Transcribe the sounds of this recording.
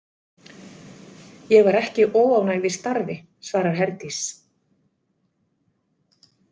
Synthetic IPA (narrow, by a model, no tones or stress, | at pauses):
jɛɣvaɾɛhcɪʔɔːwawnaɣvɪst̪aɾvɪ | svaːɾaɾ̥ɦɛɾt̪is